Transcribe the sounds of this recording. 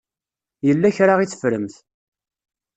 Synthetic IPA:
jəlːæçɾaʁit͡sːə̥fɾəmθ

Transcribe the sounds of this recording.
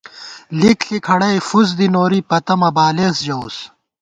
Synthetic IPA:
likɬikʰɐɽɐjfuz̬d̪inoːɾipɐt̪ɐmɐbaːleːsd͡ʑɐws

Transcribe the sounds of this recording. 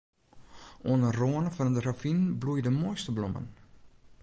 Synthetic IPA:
oənəroənəfɔnədrafinblujdəmojstəblomə̰n

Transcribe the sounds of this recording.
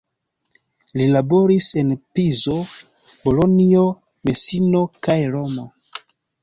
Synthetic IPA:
lilabo̞ɾise̞npizo̞ | bo̞lo̞nio̞ | me̞sino̞kajɾo̞mo̞

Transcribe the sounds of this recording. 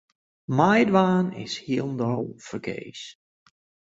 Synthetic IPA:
majdʋaːnɪ̰shiəlˠndolfərɡḛːs

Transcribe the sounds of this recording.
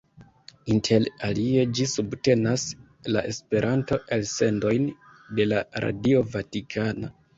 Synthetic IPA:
intʰe̞lalie̞d͡ʒisubte̞nas | laʔe̞spe̞ɾʔanto̞ʔelse̞ndo̞jn | de̞laɾa̰dio̞vatikʰana

